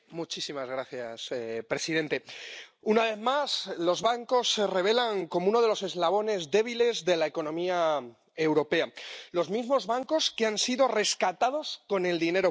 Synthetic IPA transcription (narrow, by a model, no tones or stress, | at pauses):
mut͡ʃisimazɣ̞ɾaθjasepɾe̞siðe̞nt̪e̞ | unaβe̞θmaslo̞zβaŋko̞sːe̞re̞β̞e̞laŋko̞mouno̞ð̞eo̞se̞zlaβ̞o̞ne̞zðe̞β̞ile̞zðe̞lae̞ko̞nõ̞mia | ewɾo̞pe̞alo̞zmizmo̞zβaŋko̞skeansiðo̞re̞skat̪aðo̞sko̞ne̞ld̪ine̞ɾo̞